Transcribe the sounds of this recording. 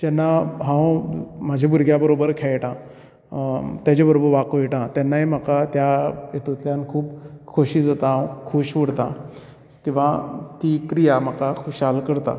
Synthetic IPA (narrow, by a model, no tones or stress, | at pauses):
d͡ʑɛnːaɦãwmad͡ʑʱebuɾɡjabəɾobəɾkʰɛjʈã | t̪jat͡ɕabəɾobəɾʋakojʈãt̪janːaem̤əkat̪jajet̪ut̪ljankʰuːpkʰoɕiːd͡zat̪ãkʰuɕʋəɽt̪ã̰ | kĩw̃ʋat̪ikɾijamakakʰoɕɦalkəɽt̪a̰